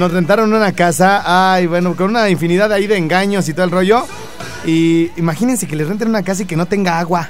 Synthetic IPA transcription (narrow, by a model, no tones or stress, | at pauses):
no̞sre̞nt̪aɾo̞nenũnakasaajβwe̞nokonunaiɱfiniðaðaiðeːŋɡaɲo̞s̬it̪oðlro̞ʝo̞ | iːmaxine̞ns̬e̞ke̞lerent̪enunakas̬aike̞no̞t̪eŋɡaaɣwa